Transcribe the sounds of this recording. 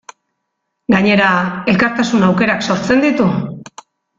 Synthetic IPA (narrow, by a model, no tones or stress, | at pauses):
ɡaɲe̞ɾae̞lkaɾt̪asunawke̞ɾakso̞ɾt͡se̞nd̪it̪u